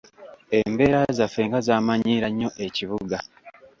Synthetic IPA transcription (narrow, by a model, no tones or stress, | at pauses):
e̞mbe̞ːɾazafeːŋɡazaːmaɲiːɾaɲːo̞ʔe̞ciβuɡa